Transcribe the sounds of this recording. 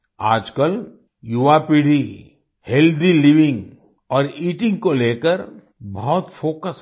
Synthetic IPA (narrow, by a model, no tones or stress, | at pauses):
aːd͡ʒkəl | juapiɽ̤i | held̪iliʋɪ̃ŋɡ | ɔːɾiːʈɪ̃ŋɡkoleːkəɾ | bɔɦt̪foːkəs